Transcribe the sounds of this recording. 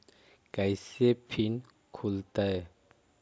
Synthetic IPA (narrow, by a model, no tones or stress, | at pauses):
kaɪsepʰin | kʰult̪aɦɛ